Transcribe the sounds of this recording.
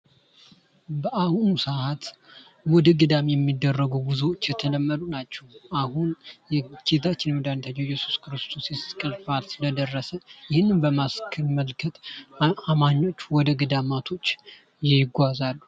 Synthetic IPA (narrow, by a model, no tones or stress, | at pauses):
bəʔahunusaʔat̪ | wɔd̪əɡɨd̪amejɛmːid̪ːərːəɡəwbɨzuwot͡ʃːjɛt̪ʰələmːəd̪unat͡ʃːɛwahunjɛket̪ʰat͡ʃːɪnwɔd̪ant̪ʰaɲːojɛsu̥skʰɨɾɨst̪ʰo̞sjɛskʼəlfalsɨləd̪ərːəsəjɪhɨnːɨnbəmaskʰɨlməlkʰət̪amaɲːo̞t͡ʃːwɔd̪əɡɨd̪amat̪ʰo̞t͡ʃː | jɪɪɡʷazalːu